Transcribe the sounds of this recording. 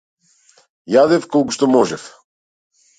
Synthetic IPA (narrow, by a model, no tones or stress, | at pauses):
jad̪ɛfkolˠkuʃt̪ɔmɔʒɛf